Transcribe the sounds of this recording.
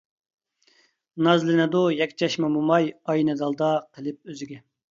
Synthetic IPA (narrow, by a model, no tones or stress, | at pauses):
nɑzlɪnɪd̪ujɛkʲt͡ʃʰɛʃmɑmumɑjɑjnɛd̪ɑlˠd̪ɑqʰəlˠɪp̚øzɪɡʲɛ